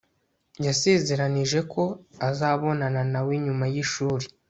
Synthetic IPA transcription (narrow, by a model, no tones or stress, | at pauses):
jaseːze̞ɾaniʒe̞kʰo̞azaːβo̞nananawiɲumajiʃuːɾi